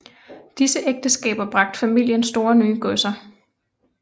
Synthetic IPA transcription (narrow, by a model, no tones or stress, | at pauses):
d̥isəʔeɡ̥̚d̥əsɡ̥ɛ̰ːb̥ɐb̥ʁɑ̈ɡ̥̚d̥fæmil̰jənsd̥o̝ːɐnyːəɡ̥ɔsɐ